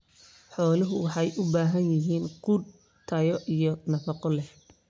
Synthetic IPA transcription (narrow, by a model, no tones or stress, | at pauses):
ħɔːlɪɦʊwɑħɑjʔʊbaːɦɐnjɪɦiːnqʊd | t̪ʰɐjɔʔijɞnɐfɑqɔlɛh